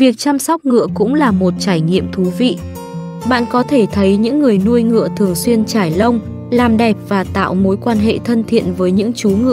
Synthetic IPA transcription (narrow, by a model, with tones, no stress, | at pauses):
vi˨˩ək̚t͡ɕa˧msa˦˥wk͡p̚ŋɨ̰˧˨əkʊ̰˧˥ŋ͡mlaː˨˩mo˨˩t̚t͡ɕaː˧˩jŋḭ˧˨əmt̪ʰu˨˦vḭ˧˨ | ɓa̰ː˧˨nkɔ˨˦t̪ʰe˧˩t̪ʰə˨˦jɲɨ̰˧˥ŋːɨ˨˩əjnu˧əjŋɨ̰˧˨ət̪ʰɨ˨˩əŋswi˧ənt͡ɕaː˧˩jlə˧wŋ͡m | laː˨˩mɗɛ˨˩p̚vaː˨˩t̪a̰ː˧˨wmo˨˦jkwaː˧nɦḛ˧˨t̪ʰə˧nt̪ʰḭ˧˨ənvəː˨˦jɲɨ̰˧˥ŋt͡ɕu˨˦ŋɨ̰˧ə